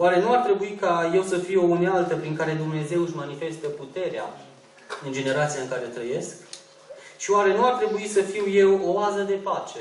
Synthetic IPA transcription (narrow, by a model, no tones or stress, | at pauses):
oaɾe̞nuart̪ɾe̞buikaje̞wsəfiounealt̪əpɾiŋkaɾe̞d̪umne̞ze̞wɨʃmanife̞st̪əput̪e̞ɾea̰ | ɨnd͡ʒe̞ne̞ɾat̪siaɨŋkaɾe̞ot̪ɾəje̞sk | ʃioaɾe̞nuart̪ɾe̞buisəfiwje̞wo̞azəd̪e̞pat͡ʃe̞